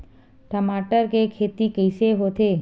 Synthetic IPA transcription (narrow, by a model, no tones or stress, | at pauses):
ʈəmaːʈəɾkekʰeːt̪ikəɪseɦoːt̪eː